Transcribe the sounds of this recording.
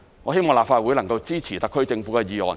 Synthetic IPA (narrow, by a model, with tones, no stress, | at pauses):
ŋɔː˨˧ɦe˥jmɔː˨ŋlaː˨p̚faː˧t̚wuː˨˥jlɐ˨˩ŋkɐ˧wt͡siː˥t͡sʰiː˨˩t̪ɐ˨kʰːɵ˥ɥt͡sɪ˧ŋfuː˨˥kɛː˧jiː˨ɔ̰ː˨˩n